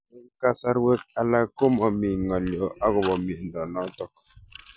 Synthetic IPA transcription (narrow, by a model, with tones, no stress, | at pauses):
i˦ŋ˦ka˦sa˦ɾwe˦k̚a˦la˦ko˦mɔ˨mi˨ŋɔ˨ljɔ˨ʔa˦ɣʊ˨bɔ˨mi˨n̩˨dɔ˨nɔ˦tɔ˦k̚